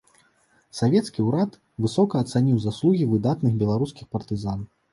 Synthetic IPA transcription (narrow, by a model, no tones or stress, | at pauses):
savʲɛt̪skʲiuɾat̪ | vɨsɔkɐːt̪sanʲiwzaslˠuɣʲivɨd̪at̪nɨɣbʲɛlˠaɾuskʲixpɐrt̪ɨzan